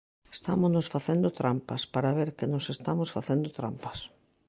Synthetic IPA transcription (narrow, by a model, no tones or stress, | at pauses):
est̪amoznosfaθend̪ot̪ɾampaspaɾaβeɾkɪnosest̪amosfaθend̪ot̪ɾampḁs